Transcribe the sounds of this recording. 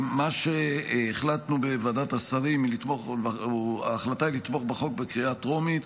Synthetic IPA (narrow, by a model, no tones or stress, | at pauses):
maʃeːχlat̪nubevadatasaʁimilit̪moχba̰ːχlatailit̪mo̞χbeχo̞k̚bekʁiatʁo̞mit̪